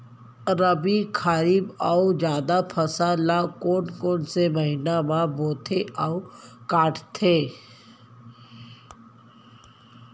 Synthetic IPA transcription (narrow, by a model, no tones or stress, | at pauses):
ɾəbikʰaːɾiːbaud͡ʒjaːd̪apʰɐsalakoːnkoːnseməɦinamãboːt̪ʰeʔaːukaːʈʰt̪ʰeː